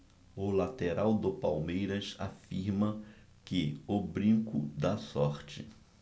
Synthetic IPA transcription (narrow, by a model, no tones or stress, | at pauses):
ʊlat̪eɾawd̪ʊpawmejɾɐsa̰fiɾmɐ | kɪʊbɾĩŋkʊd̪asɔɾt͡ʃɪ